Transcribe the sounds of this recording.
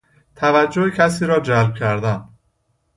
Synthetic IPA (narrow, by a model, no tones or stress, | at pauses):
t̪ʰævæd͡ʒːohecʰæs̬iːɾɒːd͡ʒælb̥̚cʲʰæɾd̪æn